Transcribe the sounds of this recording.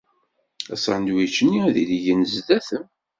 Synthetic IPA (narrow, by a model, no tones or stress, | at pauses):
æ̰sʕənd̪wit͡ʃːənːiðiliʝənzðæθəm